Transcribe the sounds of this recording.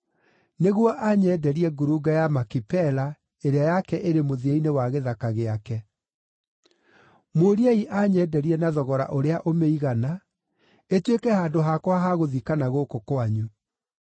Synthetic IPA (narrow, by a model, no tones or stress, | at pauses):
neɣwɔʔaɲɛːdɛɾiɛɡuɾuɡajamakipɛla | eɾeajakɛʔeɾemoðieinewaɣeðakaɣeakɛ | moɾiaiʔaɲɛːdɛɾiɛnaðɔɣɔɾa̰ʔoɾeaʔomeiɣana | etwekɛhaːndoɦakwaɦaɣoðikanaɣokokoaɲu